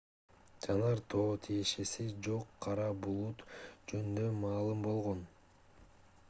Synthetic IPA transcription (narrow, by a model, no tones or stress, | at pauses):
d͡ʒɑnɑɾt̪ʰo̞ːt̪ʰije̞ʃe̞sid͡ʒo̞qʰːɑɾɑbulˠut̪d͡ʒønynd̪ømɑːlˠɯmbo̞lˠʁo̞n